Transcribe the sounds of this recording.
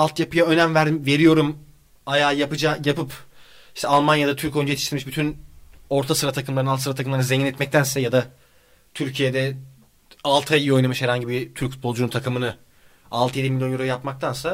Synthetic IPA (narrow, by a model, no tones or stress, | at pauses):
alˠt̪ʰjapɯjaø̞næmvæɾd̪imve̞ɾijo̞ɾum | ajaːjapɯd͡ʒajapɯp | iʃt̪ʰɛalˠmanjad̪at̪ʰyɾco̞jnd͡ʒaet̪ʰi̥ʃt̪iɾmiʃbyt̪ʰyno̞ɾt̪ʰasɯɾat̪ʰakɯmlˠaɾnalt̪sɯɾat̪ʰakɯmlˠaɾnzeɲʲinɛt̪mɛc̚t̪ʰænsɛjad̪a | t̪ʰyɾcʰijed̪ɛ | alˠt̪ʰajio̞jnamɯʃhɛɾaɲɟibit̪ʰyɾcfu̥t̪̚bo̞lˠd͡ʒununt̪ʰakʰɯmɯnɯ | alˠt̪ʰɯjed̪imilʲjojoɾojapmak̚t̪ʰansa